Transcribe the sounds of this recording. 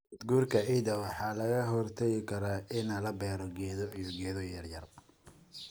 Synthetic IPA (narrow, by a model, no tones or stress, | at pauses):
ɐd̪ɡuːrkʰɐʕiːðɐwɑħɑːlɐɣɐɦɔrt̪ʰɛɣɪkʰɐɾaːʔɪnɐlɐbɛːɾɔɡɛːðɔijɔɡɛːðɔjɐrjɐr